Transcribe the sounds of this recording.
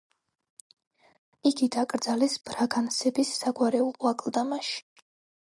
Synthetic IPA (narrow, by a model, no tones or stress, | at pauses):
iɡid̪akʼɾd̪zalɛsb̥ɾaɡansɛbisːaɡwaɾɛuwakʼlˠd̪amaʃi̥